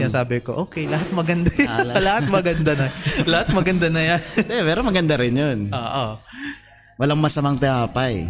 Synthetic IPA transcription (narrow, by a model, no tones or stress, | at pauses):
ɐsaːbɪkoʔoːkɛjlɐhat̪̚mɐɡɐnd̪ajlɐhat̪̚mɐɡɐnd̪anɐlɐhat̪̚mɐɡɐnd̪anɐjanɛmɛːɾomɐɡɐnd̪aɾɪnjonoːʔo | wɐlaŋmɐsɐmaŋt̪ɪʔaːpaj